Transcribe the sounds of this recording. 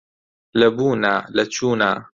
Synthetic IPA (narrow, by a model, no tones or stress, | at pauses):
lɐbuːnaːlɐt͡ʃuːnaː